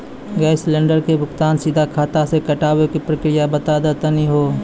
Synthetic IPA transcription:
ɡɛɪslẽːɳɖəɾkebʱʊkt̪aːnsɪd̪ʱakʰaːt̪asekɐʈaːwekipɾəkɾɪjabət̪aːd̪at̪əniɦoː

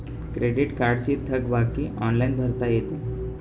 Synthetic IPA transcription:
kɾeɽiʈkaɾɖt͡ɕiːt̪ʰːəɡbakiːʔɔnlainbʱəɾt̪ajet̪e

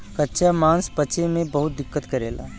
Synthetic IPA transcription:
kɐtːʃʰamãːnspɐt͡ʃʰemẽbɐɦʊt̪̚d̪ɪkːət̪kɐɾeːla̰ː

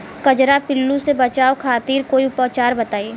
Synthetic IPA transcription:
kɐd͡ʒɾapɪlːũsebɐt͡ʃaːokʰaːt̪iːɾkoːiʊpət͡ʃaːɾbɐt̪aːeː

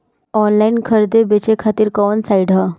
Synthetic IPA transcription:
ɔnlainkʰəɾd̪ebet͡ɕekʰat̪iːɾkɔnsaiɽɦa

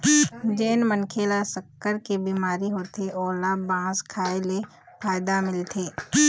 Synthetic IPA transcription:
d͡ʒeːnmənkʰeːlasəkːəɾkebiːmaːɾiɦoːt̪ʰeʔɔːlabãːskʰaːele | pʰaːjd̪amɪlt̪ʰeː

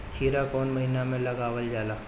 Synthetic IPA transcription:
t͡ʃʰiːɾakɔːnmɐɦinamẽlɐɡaːʋəld͡ʒaːlaː

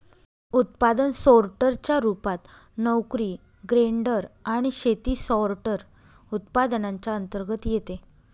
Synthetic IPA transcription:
ut̪̚pad̪ənsɔɾʈəɾt͡ɕjaɾupat̪ | nəwkɾi | ɡɾeɳɖəɾaɽ̃iɕet̪iːsɔɾʈəɾ | ut̪̚pad̪nãɲt͡ɕaənt̪əɾɡət̪jet̪e

